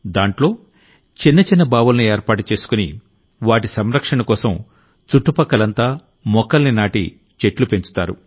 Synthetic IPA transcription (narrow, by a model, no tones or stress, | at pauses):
d̪aːɳʈlo̞ː | t͡ʃinːɐt͡ʃinːɐbaːʋulɐnieːɾpaːʈut͡ʃe̞ːsu̥kuni | ʋaːʈ̬isɐmɾɐkʂɐɳɐkɔːsɐm | t͡ʃuʈːupɐkːɐlɐnt̪aː | mɔkːɐlninaːʈḭ | t͡ʃe̞ʈlupe̞ɲt͡ʃu̥t̪aːɾṵ